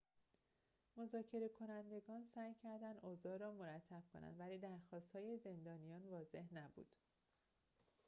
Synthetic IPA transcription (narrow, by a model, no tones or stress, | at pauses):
mo̞zɒːcʰe̞ɾe̞kʰo̞nænd̪e̞ɡɒːnsæːjcʰæɾd̪ænd̪ozɒːɾɒːmoɾæt̪ʰːæb̥̚kʰo̞̰næ̰nvæliːd̪æɾxɒːst̪hɒːje̞ze̞nd̪ɒːnijɒːnvɒːze̞hnæbṵːd̪̥